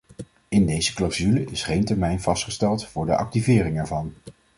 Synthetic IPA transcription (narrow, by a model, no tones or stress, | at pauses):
ɪndejzəklawzyləɪsχejntɛɹmɛjnv̥ɑstχəstɛlˠtfʊːɹdəʔɑ̰k̚tivɪːrɪŋɛɹvɑn